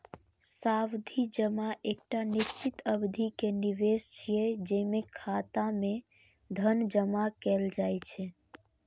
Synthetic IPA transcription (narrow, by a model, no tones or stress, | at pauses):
sawd̪ʱid͡ʒəmaʔek̚ʈanist͡ʃit̪əbd̪ʱikeniʋest͡ʃʰijɛd͡ʒemekʰat̪ame | d̪ʱənd͡ʒəmakɛld͡ʒajt͡ʃʰɛ